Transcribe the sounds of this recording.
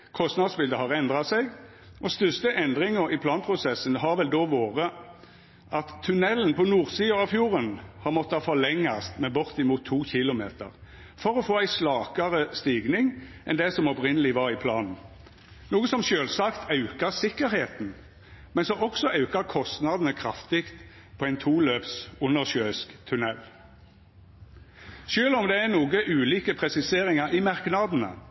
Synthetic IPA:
kʰɔst̪nɑd̪sbɪld̪əhɑʁɛnd̪ʁɑsɛɡ | ʔɔst̪ʏst̪əʔɛnd̪ʁɪŋəɾɪpʰlɑːnpʰʁʊsɛsənɦɑʁʋɛld̪oːʋoːʁə | ʔɑt̪ʰːʉnɛlːnpʰɔnuːʁsiːɑɑʋfjuːʁənhɑʁmɔt̪ːəhɑfɔlɛŋːɑst̪mɛbʊʁt̪ɪmuːt̪ʰːuːçɪlʊmḛːt̪ə̰ʁ | fɔɾɔfoːæɪslɑːkɑʁəst̪iːɡnɪŋʔɛnd̪ɛsɔmɔpʁɪnəlɪʋɑːʁɪpʰlɑːnn̩ | nuːɡəsɔmʃøːlsɑkt̪ʰɑʉkəʁsɪkːəɾheːt̪n̩ | mɛnsɔɔksɔʔɑʉkəʁkʰɔst̪nɑd̪n̩əkʰʁɑft̪ɪkt̪ | pʰɔːæɪnt̪ʰuːløːpsʊnːəʁʃøːskt̪ʰʉnɛl | ʃøːlɔmd̪ɛæʁnuːɡəʔʉːliːkəpʰʁɛsɪseːʁɪŋəɾɪmɑʁknɑd̪n̩ə̰

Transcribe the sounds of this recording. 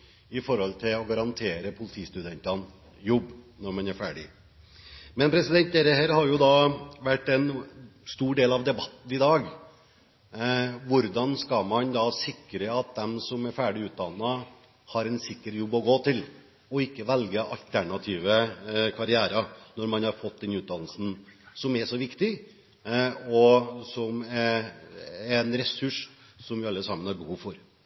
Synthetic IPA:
ɪfɔɾhɔlt̪ʰɪlɔɡɑɾɑnt̪ʰeːɾəpʰʊlɪt̪ʰiːst̪ʉd̪ɛnt̪ɑn | jʊbːnɔɾmɑnæɾfæːɖɪ̰ | mɛnpʰɾɛsɪd̪ɛnt̪̚ɛɾəɦeːɾhɑɾjʊd̪ɑʋæʈːɛnst̪uːɖeːlɑʋd̪ɛbɑt̪ːn̩ɪd̪ɑːɡ | ʋʊɾd̪ɑnskɑmɑnd̪ɑsɪkːɾəɑt̪̚d̪ɛmsɔmæɾfæːɖɪʉːt̪̚d̪ɑnːɑ | hɑɾɛnsɪkːəɾjɔbːɔɡoːt̪ʰɪl | ɔɪkːəʋɛlɡəʔɑ̰lt̪ʰæɳɑt̪ʰiːʋəkʰɑɾɪæːɾɑnɔɾmɑnhɑɾfɔt̪̚d̪ɛnʉːt̪̚d̪ɑnl̩sn̩sɔmɛʂɔʋɪkt̪ɪ | ɔsɔmɛɾ | ɛnɾɛsʉʂ | sɔmʋɪɑlːəsɑmənhɑɾbəhuːʋfɔɾ

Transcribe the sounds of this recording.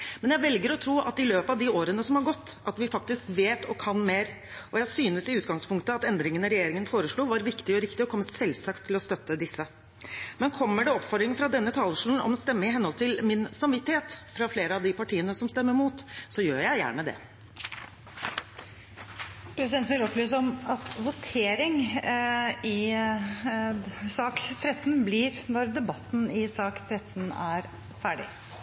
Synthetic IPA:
mɛnjæʋɛlɡəɾɔt̪ʰɾuːʔɑ̰t̪ɪløːpəɑʋd̪ɪoːɾənəsɔmhɑɾɡɔt̪ːʔɑt̪ʋɪfɑk̚t̪ɪskʋeːt̪ɔkʰɑnmeːɾ | ʔɔjæɪsyːnəsɪʉːt̪ɡɑŋspʰʊŋkt̪əɑt̪ɛnd̪ɾɪŋənɔɾɛjeːɾɪŋənfoːɾəʂɭuːʋɑɾʋɪkt̪ɪɔɾɪkt̪ɪɔkʰɔmːəsɛlsɑkt̪ʰːɪlɔst̪œt̪ːəd̪ɪsːə | mɛnkʰɔmːəɖɛɔpfɔɖd̪ɾɪŋəfɾɑd̪ɛnːət̪ʰɑːləʂuːln̩ɔ̰mnst̪ɛmːəɪɦɛnhɔlt̪ʰɪlmɪnsɑmʋɪt̪ːɪheːt̪fɾɑfleːɾəɑʋd̪ɪpɑʈʰiːənəsɔmst̪ɛmːəɾmuːt̪sɔjøːɾjæɪjæ̰ːɳəd̪ɛ̰ | pʰɾɛsɪd̪ɛnn̩ʋɪlɔplyːs̬əɔmɑt̪ʋʊt̪ʰeːɾɪŋ | ɪ | sɑːkt̪ʰɾɛt̪ːnblɪɾnɔɾd̪ɛbɑt̪ːn̩ɪsɑːkt̪ʰɾɛt̪ːnæɾ | fæːɖɪ

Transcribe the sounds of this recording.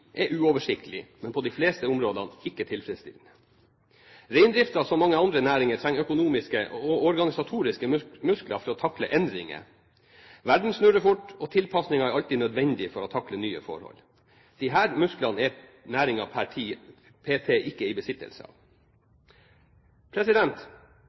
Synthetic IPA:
ʔɛʔʉːɔːʋəʂɪkt̪əlɪ̰mɛnpʰɔd̪iɪfleːst̪əʊmɾoːd̪ɑnɪkːət̪ʰɪlfɾɛst̪ɪ̰lnə | ɾæɪnd̪ɾɪft̪ɑsɔmːɑŋːəɑnd̪ɾənæːɾɪŋət̪ʰɾɛŋːœkʊnuːmɪskəoɔɾɡɑnɪsɑt̪ʰuːɾɪskəmʉsklɑ̰fɔɾɔt̪ʰɑklə̰ʔɛnd̪ɾɪŋə̰ | ʋæɖn̩snʉɾəfʊʈːɔt̪ʰɪlpʰɑsnɪŋɑæɾɑlt̪inœd̪ʋɛnd̪ɪfɔɾɔt̪ʰɑklənyːə̰fɔ̰ɾhɔ̰l | d̪̥ɪɦæːɾmʉsklɑnɛ | næːɾɪŋɑpʰæʈʰiː | pʰeːt̪ʰeːʔɪkːəɪbəsɪt̪ːə̰lsə̰ɑ̰ʋ | pʰɾɛsɪd̪ɛnt̪

